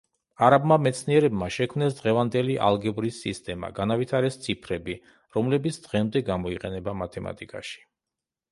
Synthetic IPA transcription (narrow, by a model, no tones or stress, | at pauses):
aɾabmamɛt̪sʰniɛɾɛbmaʃɛkʰmnɛsd̪ʁɛvand̪ɛliʔa̰lˠɡɛbɾisːist̪ʼɛma̰ɡanavit̪ʰaɾɛst̪sʰipʰɾɛbi | ɾɔmlɛbit̪sʰd̪ʁɛmd̪ɛɡamɔiqʼɛnɛbamat̪ʰɛma̰t̪ʼikʼa̰ʃi̥